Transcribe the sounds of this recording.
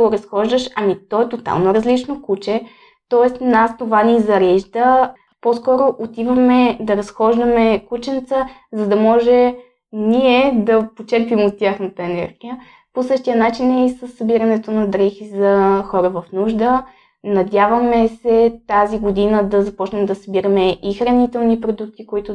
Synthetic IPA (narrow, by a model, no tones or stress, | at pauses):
ɡoɾɐsxɔʒd̪əʃɐmit̪ɔɛt̪ot̪a̰lˠnoɾəzlit͡ʃnokut͡ʃɛ | t̪ɔɛst̪nast̪ovanʲizɐɾɛʒd̪ə | poskɔɾoʔot̪ivɐmɛd̪ɐɾɐsxɔʒd̪əmɛkut͡ʃɛnt̪səzɐd̪ɐmɔʒɛ | niɛd̪ɐpot͡ʃɛɾpimot̪ʲːjaxnət̪əɛnɛ̰ɾɡijə | posɤʃt̪ijənat͡ʃinɛisəsːɐbiɾɐnɛt̪onɐd̪ɾɛxizɐxɔɾəvɐfnuʒd̪ə | nɐd̪ʲjavəmɛsɛt̪aziɡod̪inəd̪ɐzɐpɔt͡ʃnɛmɛd̪ɐsɐbiɾɐmɛʔixɾɐnit̪ɛlˠnipɾod̪uk̚t̪ikoit̪ʊ